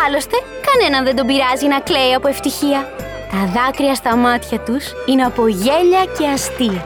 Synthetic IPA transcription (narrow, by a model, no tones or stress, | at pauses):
ɐlo̞st̪e̞ | kɐne̞nɐnðe̞nd̪o̞biɾɐzinɐkle̞iɐpoe̞ft̪içiɐ | t̪ɐðɐkɾiɐst̪ɐmɐt̪çɐt̪usineɐpo̞ʝe̞ʎɐce̞ɐst̪iɐ